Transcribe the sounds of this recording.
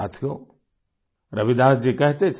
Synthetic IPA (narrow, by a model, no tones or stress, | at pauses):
a̰t̪ʰijo | ɾɐʋid̪ãːsd͡ʒikɐɦt̪et͡ʃʰ